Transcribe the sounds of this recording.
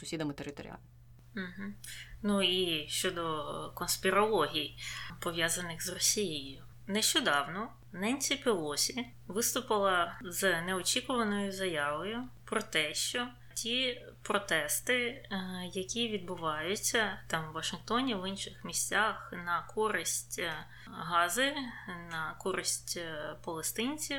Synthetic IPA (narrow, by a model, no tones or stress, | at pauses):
sʊsʲid̪ɐmɪt̪eɾɪt̪ɔɾ̰ʲa̰lʲ | m̩ɦ̩nuiʃt͡ʃɔd̪ɔkɔnspʲɪɾɔlˠɔɦʲijpɔʋʲjazɐnɪxzrɔsʲijɪjjʊ | nɛʃt͡ʃɔd̪ɑwnɔ | nɛnʲt͡sʲipʲilˠɔsʲi | ʋɪst̪ʊpɪlˠɐznɛɔt͡ʃʲikʊʋɐnɔjʊzɐjaʋɔjʊpɾɔt̪ɛʃt͡ʃɔ | tʲipɾɔt̪ɛst̪ɪjɐkʲiʋʲid̪̚bʊʋɑjʊt͡sʲːɐt̪ɑmʋʋɐʃɪnxt̪ɔnʲiʋɪnʃɪxmʲisʲt͡sʲaxnɐkʰɔɾɪsʲtʲ | ɦɑzɪnɐkɔɾɪsʲtʲpɔlˠest̪ɪnʲt͡sʲi